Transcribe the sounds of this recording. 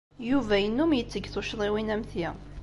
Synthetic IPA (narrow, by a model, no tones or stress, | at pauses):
juvæjənːumjət͡sːəɡθʊʃðˤiwinæmθji